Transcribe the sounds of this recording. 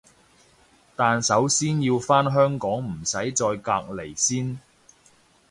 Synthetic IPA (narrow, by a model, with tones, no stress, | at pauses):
t̪aː˨nsɐ˨˥wsiː˥njiː˧wfaː˥nɦœː˥ŋkɔː˨˥ŋm̩˨˩sɐ˨˥jt͡sɔː˧jkaː˧k̚le˨˩jsiː˥n